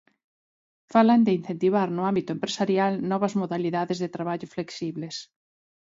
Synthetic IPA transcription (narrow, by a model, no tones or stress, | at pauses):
faland̪ɪin̟θẽnt̪iβ̞aɾnʊambit̪ʊempɾesaɾjalnɔβ̞ɐzmoðaliðaðezðet̪ɾaβaʎʊfleksiβles